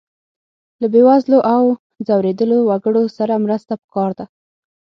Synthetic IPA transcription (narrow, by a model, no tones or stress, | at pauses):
labewazloʔaw | zawɾed̪əlowaɡəɽosaɾamɾəst̪apə̥kɑɾd̪a